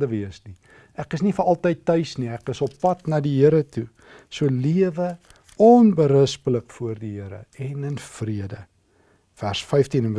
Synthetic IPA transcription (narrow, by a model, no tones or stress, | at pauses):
dəviəsni | ækəsnifəɐlˠtəjtːœɥsniækəsɔpːɐtnɑdiɦiəɾətu | suəliəvə | ɔnbəɾəspələkfuərdiɦiəɾə̰ɛnənfriədə | færsfɛjftinən